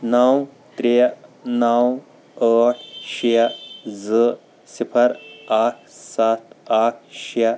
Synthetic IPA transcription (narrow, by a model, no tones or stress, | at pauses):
naw | t̪ɾenaw | əʈʰɕid͡zə | sipʰəɾaʈ̚ʰsat̪aʈ̚ʰɕi